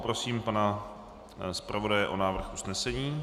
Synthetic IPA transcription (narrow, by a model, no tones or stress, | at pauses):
pɾo̞siːmpana | spɾʔavo̞dajɛʔo̞naːvr̩xʔusnɛsɛɲiː